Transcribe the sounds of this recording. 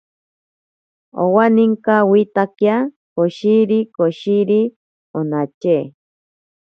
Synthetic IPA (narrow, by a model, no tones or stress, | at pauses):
o̰waniŋkawit̪akja | koʃiɾikoʃiɾi | onat͡ʃe